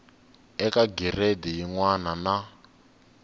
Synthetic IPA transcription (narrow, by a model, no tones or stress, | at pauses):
ɛkaɡirɛdɛjiŋwanana